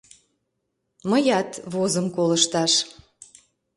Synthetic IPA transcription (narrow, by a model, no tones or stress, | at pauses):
məjɑt̪βozəmkoləʃt̪ɑʃ